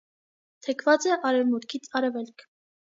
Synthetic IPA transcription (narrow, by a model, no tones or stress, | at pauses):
t̪ʰɛkʰvɑt͡sɛʔɑɾɛvmut̪kʰit͡sʰɑɾɛvɛlkʰ